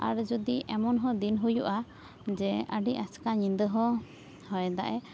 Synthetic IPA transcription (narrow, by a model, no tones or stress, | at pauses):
a̰ɾd͡ʒud̪iʔɛmɔnɦɔ̃d̪inɦujuʔa | d͡ʒɛəɖiaskaɲind̪əɦɔ | hɔjɛd̪aʔɛ